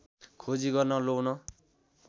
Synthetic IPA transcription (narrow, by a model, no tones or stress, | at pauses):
kʰod͡ziɡʌrnʌlownʌ